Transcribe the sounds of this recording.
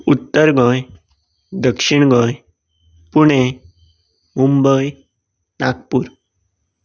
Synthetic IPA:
ut̪ːəɾɡɔ̃j | d̪əkʂiɳ̃ɡɔ̃j | puɳ̃e | mumbəj | nak̚puɾ

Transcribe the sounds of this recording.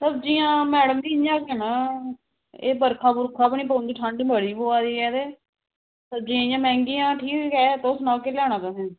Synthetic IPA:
səbd͡ʒiːãːmɛːɽəmd̪iːjãːkɛnaː | eːbəɾkʰaːbʊɾkʰaːpɳĩːpə̃ːnd̪iːʈʰãɳɖbəɽiːboːaːd̪iːɛːd̪eː | səbd͡ʒiːãːɪjãːmɛ̃ːŋɡiːãːʈʰiːkːɛːt̪oːsnɔːkeːljaːɳaːt̪əɦɛ̃ː

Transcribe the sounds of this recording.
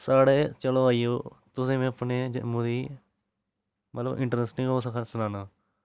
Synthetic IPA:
saːɽeːt͡ʃəloːaːijoːt̪ʊsẽːmẽəpneːmʊd̪iː | mət̪ləbɪ̰ɳʈəɾənsnĩkooːsəkʰsʊnaːnaː

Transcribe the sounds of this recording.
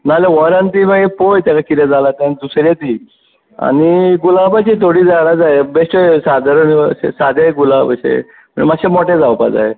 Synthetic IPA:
nalaʋɔɾant̪iməɡepojt̪akakiɾad͡zalat̪ãnd̪usɾjat̪i | a̰niɡulapat͡ɕit̪ʰoɽiːd͡zaɽad͡zaebesʈesad̪ʱaɾənɕḛsad̪ʱaɡulapaɕḛ | məmaɕemɔʈed͡zawpa̰d͡za̰e

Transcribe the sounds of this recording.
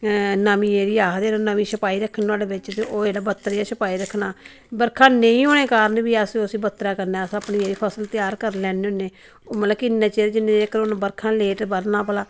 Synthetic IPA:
nəmĩːeːɾiːaːd̪eːnoːnəmĩːsəpaːiːɾəkʰːnːaːleːbɪt͡ʃt̪eːʔoːeːɽaːbət̪ːɾeːaːsəpaːiːɾəkʰːnaː | bəɾkʰãːnə̃ĩːɦoːneːkaːɾənbiːəsosĩːbət̪ːɾaːkəɾnaːəsəpniːeːɾiːpʰəsəlt̪ɪjaːɾkəɾlɛːneːʊnːeː | oːmət̪ləbkɪnːẽːt͡ʃeːɾd͡ʒɪnːẽːeːkəɾoːnːbəɾkʰãːleːʈbəɾnãːpəlaː

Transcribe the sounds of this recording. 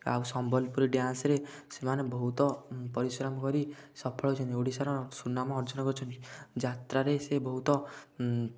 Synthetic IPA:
a̰wsɔmbɔlpuɾiɖjansɾesemanebɔɦut̪ɔpɔɾisɾamɔkɔɾi | sɔpʰɔɭɔɦt͡ʃʰɔnt̪ewɽisaɾɔsunamɔːɾd͡ʒɔnɔkɔɾut͡ʃʰɔnt̪id͡ʒat̪ɾaɾesebɔɦut̪ɔ

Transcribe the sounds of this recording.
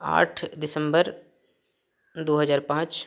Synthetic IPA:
a̰ːʈʰd̪ɪsə̃mbəɾ | d̪oːɦəzaːɾpãːt͡ʃ

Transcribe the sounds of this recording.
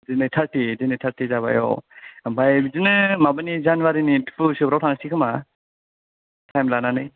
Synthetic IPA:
dinɯjtʰaɾtidinɯjtʰaɾtizaβa̰jɔ̰bʱajbizɯnɯmabɯnizanwaɾinitʰɯ̥pɯsɯbɾawtʰaŋsikʰɯma | tʰajmlananɯj

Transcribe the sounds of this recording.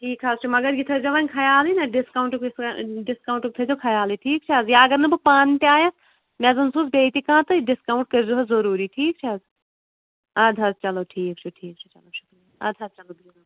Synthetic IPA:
ʈʰiːkɦaːzt͡ʃʰumɐɡɐɾɡit̪ʰɐd͡ʒɐʋaːnʲkʰɐjaːlinɐɖɪskaːwɳʈuksɖɪskaːũɳʈuk̚t̪ʰɐd͡ʒokʰɐjaːliʈʰiːk̚t͡ʃʰɐːzjaɐɡɐɾnɐbɨpaːnt̪eaːjãs | mɛzɐnsuːsbeːt̪ikãːt̪ɨɖɪskaːwɳʈ̚kɐɾd͡ʒuːɦɐzɐɾuːɾiʈʰiːk̚t͡ʃʰiɐz | ɐːd̪ʱɐst͡ʃɐloʈʰiːk̚t͡ʃʰuʈʰiːk̚t͡ʃʰu̥t͡ʃɐlot͡ʃʰu̥kː | ɐ̰ːd̪ʱɐst͡ʃɐloːbʱina

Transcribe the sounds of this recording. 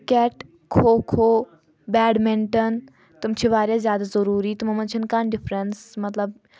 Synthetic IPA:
kɛːʈ | kʰoːkʰoː | bɛːɖmẽɳʈən | t̪ɐmt͡ʃʰiʋaːɾjazjaːd̪azɐɾuːɾiːt̪umɐmɐnt͡ʃʰinkaːnɖɪfʰɾənsmɐt̪ləb

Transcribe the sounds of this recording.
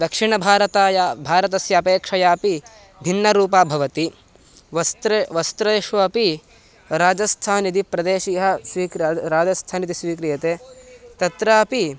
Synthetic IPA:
d̪ɐkʂiɳɐbʱaːɾɐt̪aːjabʱaːɾɐt̪ɐsjɐːpeːkʂɐjaːpi | bʱinːɐɾuːpaːbʱɐʋɐt̪i | ʋɐst̪ɾʋɐst̪ɾɐːʃʋɐɐpi | ɾaːd͡ʒɐst̪ʰaːnit̪ipɾɐd̪eːʃijɐɦɐsʋiːkɾɾaːd͡ʒɐst̪ʰaːnit̪isʋiːkɾijɐt̪eːt̪ɐt̪ɾaːpi

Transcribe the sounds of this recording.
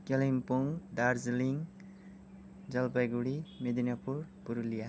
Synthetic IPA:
kelimpuŋd̪aɾd͡zliŋ | d͡zʌlpajɡuɽimed̪inapuɾpuɾulija

